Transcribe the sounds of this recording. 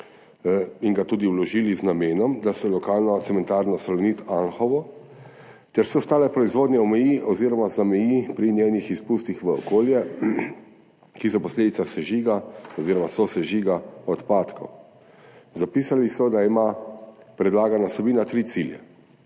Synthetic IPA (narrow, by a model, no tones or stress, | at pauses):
iŋɡat̪uːd̪iwlɔʒiːliznameːnɔmd̪asɛlɔkaːlnɔt̪sɛmɛnt̪aːɾnɔsɛlɔnit̪anxɔʋɔ | t̪ɛɾsɛɔst̪aːlɛpɾɔizʋoːd̪nʲɛɔmɛjiʔɔziːɾɔmazamɛjipɾinjeːnixispuːst̪ixʋəɔ̰koːljɛ | kisɔpɔsleːd̪it̪sasɛʒiːɡaɔziɾɔmasɔsɛʒiːɡaɔt̪paːt̪kʰɔ̰w | zapiːsalisɔd̪aima | pɾɛd̪laːɡanasɛbiːnat̪ɾiːt̪siljɛ̰